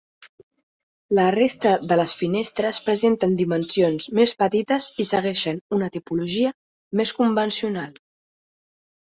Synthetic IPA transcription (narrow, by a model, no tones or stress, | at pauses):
lərest̪əðələsfinest̪ɾəspɾəzent̪ənd̪imənsionzmespət̪it̪əzisəɣɛʃənunət̪ipuluʒiə | meskumbənsiunalˠ